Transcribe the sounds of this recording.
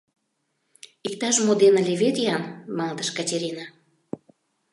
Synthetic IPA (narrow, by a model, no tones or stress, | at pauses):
ik̚t̪ɑʃmod̪enə̆lʲeβet̪jɑnmɑŋd̪əʃkatʲeɾʲina